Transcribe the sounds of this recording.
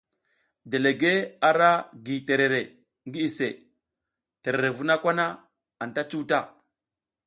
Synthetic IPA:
de˨le˨ɡe˦a˨ɾa˦ɡi˨te˨ɾe˨ɾe˨ | ŋɡi˦i˨se˨ | te˨ɾe˨ɾe˨vu˦na˦kʷa˦na˦ | a˨nta˦t͡ʃu˦ta˦˨

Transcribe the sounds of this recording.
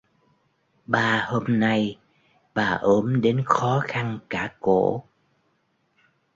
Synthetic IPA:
ɓaː˨˩ho˧mna˧j | ɓaː˨˩ʔəː˨˦mɗe˨˦nxɔ˨˦xa˧nkaː˧˩ko̰˧˩˨

